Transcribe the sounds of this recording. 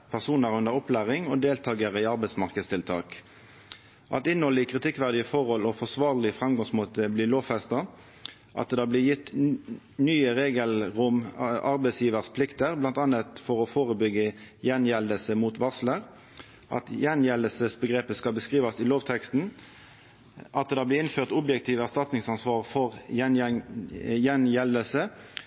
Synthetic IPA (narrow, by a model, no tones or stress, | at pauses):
pʰæʁsuːnəʁʉnd̪əʁɔplæːʁɪŋɔd̪eːlt̪ʰɑːɡəʁəɪɑʁbɛɪsmɑʁkəd̪st̪ɪlt̪ʰɑ̰ːk | ʔɑ̰t̪ɪnhɔlɪkʰʁɪt̪ʰɪkʋæʁd̪ɪəfɔʁɔlɔfɔsʋɑːʁlɪfʁɛmɡɑŋsmoːt̪əbliːloːʋfɛst̪ɑ | ʔɑ̰t̪d̪ɑːblɪːjɪt̪ː | nyːəʁeːɡəlʁʊmʔɑʁbɛɪsjiːʋəʁspʰlɪkt̪əʁblɑnt̪ɑnət̪fɔʁɔfoːʁəbʏɡːəjɛnjɛld̪əlsəmut̪ʋɑʁsləʁ | ʔɑ̰t̪jɛnjɛld̪əlsəsbəɡʁeːpəskɑlbəskʁiːʋɑsɪloːʋt̪ʰɛkst̪n̩ | ʔɑt̪̚d̪ɑːblɪɪnføːʁt̪ʊbjɛkt̪ʰiːʋæʁst̪ɑt̪nɪŋsɑnsʋɑːʁfɔʁjɛn | jɛnjɛld̪əlsə